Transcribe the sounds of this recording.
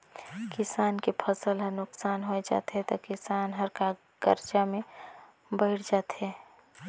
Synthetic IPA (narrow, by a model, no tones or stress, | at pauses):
kɪsaːnkepʰəsəlɦənʊksaːnɦoed͡ʒa̰ːt̪eɦɛt̪okɪsaːnɦɐɾka | ɡ̥ə̰ɾd͡ʒamẽ | bəɪɽd͡ʒaːt̪ɦeː